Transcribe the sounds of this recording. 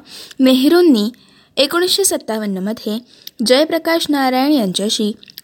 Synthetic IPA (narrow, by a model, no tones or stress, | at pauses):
meɦɾonːi | ekoɽ̃isʃesət̪ːaʋənːəməd̪ʱje | d͡ʒəjpɾəkaʃnaɾajɳ̃iəɲt͡ʃəʃi